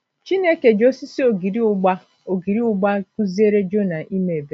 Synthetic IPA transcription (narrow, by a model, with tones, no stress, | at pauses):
t͡ʃi˦ne˦ke˨d͡ʒo˦si˦si˦o˨ɡi˨ɾi˦ɡ͡ba˦ | o˨ɡi˨ɾi˦ʊ˦ɡ͡ba˦ku˦zi˦e˦ɾe˦d͡ʒo˦na˨ʔi˦me˨e˨be˦